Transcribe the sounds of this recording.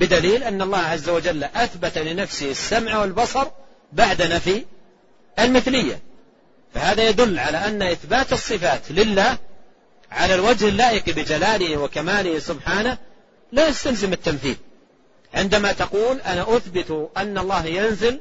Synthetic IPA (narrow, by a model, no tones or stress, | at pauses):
bɪd̪aliːlʔanːɑlˤːɑːhʕazːawad͡ʒalːʔaθbat̪alɪnafsɪhasːamʕawɪlbɑsˤɑɾˤ | baʕd̪anafi | ʔalmɪθlɪjːa̰ | fahaːðajad̪ʊlːʕalaʔanːaʔɪθbaːt̪ɨsˤːɨfaːt̪lɪlːaːh | ʕalalwad͡ʒhɪlːaːʔɪqibɪd͡ʒalaːlɪhiwakamaːlɪhisʊbħaːnah | laːjast̪alzɪmɪt̪ːamθiːl | ʕɪnd̪amat̪aquːlʔanaʔʊθbɪt̪ʔanːɑlˤːɑːhjanzɪl